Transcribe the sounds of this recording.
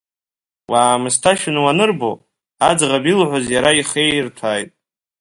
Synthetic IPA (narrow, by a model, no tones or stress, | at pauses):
waːmɨstʰaʃɪnwanɨrbo̰ | ad͡zʁabilʕʷozjaɾaiχe̞jrtʰaːjtʼ